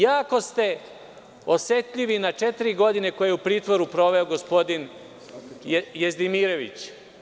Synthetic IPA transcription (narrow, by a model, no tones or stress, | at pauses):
jaːko̞st̪e̞ | osjet̪ʎiʋinat͡ʃet̪iɾiɡo̞d̪ine̞ko̞jeeupɾiːt̪ʋo̞ɾupɾo̞ʋe̞oɡo̞spo̞d̪in | jezd̪imiɾo̞ʋḭt͡ɕ